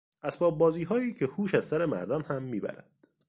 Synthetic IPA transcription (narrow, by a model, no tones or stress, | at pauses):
ʔæsbɒːb̚bɒːziːɦɒːjiːcʰehuːʃæz̥sæɾe̞mæ̰ɾd̪omhæmːiːbæ̰ɾæ̰nd̪̥